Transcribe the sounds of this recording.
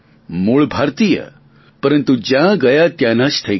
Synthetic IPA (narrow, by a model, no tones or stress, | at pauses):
muɭbʱaɾt̪ijə̰ | pəɾənt̪ud͡ʑãɡɐjat̪jãnaʃt̪ʰɐi